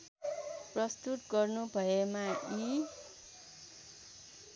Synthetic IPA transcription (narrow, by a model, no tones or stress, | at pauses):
prʌst̪ut̪ɡʌrnubʱʌemai